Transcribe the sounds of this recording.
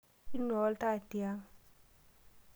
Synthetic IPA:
i˦nɔ˨˦lta˦˨tja˦ŋ

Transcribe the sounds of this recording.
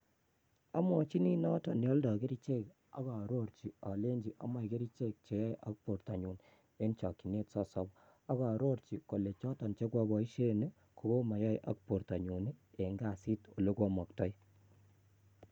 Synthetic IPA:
a̰˦mɔ˨t͡ʃi˦ni˦nɔ˦tɔ˨njɔ˦ldɔ˨ke˦ɾi˦t͡ʃe˦k | a̰˦kɔ˨ɾo˦ɾt͡ʃi˨ɔ˨le˦ɲd͡ʒi˨ʔa̰˦mɔ˨ke˦ɾi˦t͡ʃe˦k̚t͡ʃe˨jɔ˦jʔa̰˦k̚po˨ɾta˨ɲu˨n | e˦nt͡ʃɔ˨ki˨ne˦tsɔ˦sɔ˦b | a˦kɔ˨ɾo˦ɾt͡ʃi˨ko˨le˨t͡ʃɔ˦tɔ˨nt͡ʃe˦kwa˧bɔ˨i˦ʃe˦ne˦ | ku˨ko˦ma˨jɔ˦jʔa̰˦k̚po˨ɾta˨ɲu˨n˦e˨ŋɡa˨si˦to˨lo˦kwɔ˦mɔ˨k̚tɔ˦j

